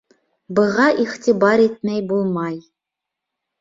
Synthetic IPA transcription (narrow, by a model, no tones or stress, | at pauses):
bɨʁɑʔiχtʰibɑɾit̚mɛjbulˠmɑj